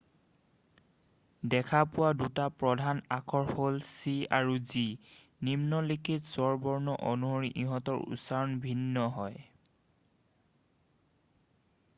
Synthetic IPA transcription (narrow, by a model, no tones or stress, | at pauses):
dɛkʰapʊwadutapɹɔdʱanakʰɔɹholsiaɹuzi | nimnɔlikʰitsɔɹbɔɹnɔʔonuɦoɹiʔiɦɔtɔɹṵsaɹɔnbʱinːɔɦɔj